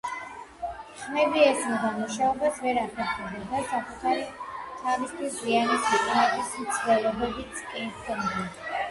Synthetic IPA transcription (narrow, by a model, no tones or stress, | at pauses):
χmɛviɛsmd̪amuʃaɔbasvɛɾapʰɛɾχɛbd̪ɛd̪asakʼut̪ʰaɾit̪ʰavist̪ʰwiszianisiqʼnɛt̪ʼismt̪sʰnɛlˠɔbɛbit̪skʼɛnsɛnda